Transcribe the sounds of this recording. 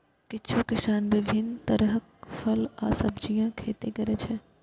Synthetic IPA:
kɪt͡ʃʰukɪʃaːnʋɪʋʱɪnt̪ɐɾɦəkfʰɐla̰ːsɐbd͡ʒijãkʰeːt̪ekɐɾet͡ʃʰɛ

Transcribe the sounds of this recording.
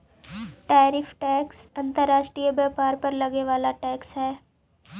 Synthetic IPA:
ʈaːɾɪfʈɛːksɐ̃nt̪əɾːaːʃʈɾiːjəbaːpaːɾpɐɾlɐɡeʋaːlaʈɛːksɦɛː

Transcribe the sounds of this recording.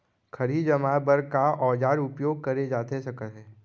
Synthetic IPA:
kʰɐɾiːd͡ʒəmaːbəɾkaʔɔːd͡ʒaːɾʊpjoːɡ̚kɐɾed͡ʒaːt̪esɐkət̪ɦɛ̃ː

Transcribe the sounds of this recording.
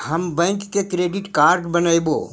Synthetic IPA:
həmbɛ̃ːŋkːekɾeːɖɪʈkaːɾɖbənajbo̰ː

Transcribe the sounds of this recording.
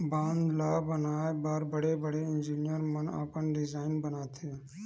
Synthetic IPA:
bãːnd̪laːbənaːebaːɾbəɽebəɽeɪnd͡ʒiːnɪjəɾməna̰ːpənɖɪzaːɪnbənaːt̪ʰe

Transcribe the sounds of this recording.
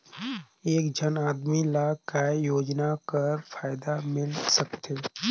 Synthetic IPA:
eːkd͡ʒʱənaːd̪milakajoːd͡ʒnakəɾfaːɪd̪amɪlsəkt̪eː

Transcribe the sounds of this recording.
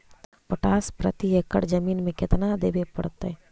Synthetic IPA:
pəʈaːspɾə̰t̪iekəɽd͡ʒəmiːnmẽkɪt̪nad̪eːbepə̰ɽt̪ɛ

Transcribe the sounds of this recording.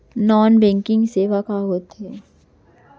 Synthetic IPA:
nɔːnbɛ̃ːŋkɪ̃ŋɡseʋakaɦoːt̪ɦɛː

